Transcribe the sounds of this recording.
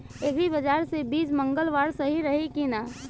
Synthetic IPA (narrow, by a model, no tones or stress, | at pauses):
eːɡibəd͡ʒaːɾsebiːsmə̃ŋɡəlʋaːɾsəɦiɾəɦikina